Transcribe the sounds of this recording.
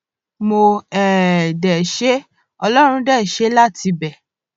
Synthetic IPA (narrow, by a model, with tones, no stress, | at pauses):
mo˧ɛ˨dɛ˨ʃe˦ | ɔ˧lɔ˦ɾ̃ũ˧dɛ˦˨ʃe˨˦la˦˨ti˧bɛ˨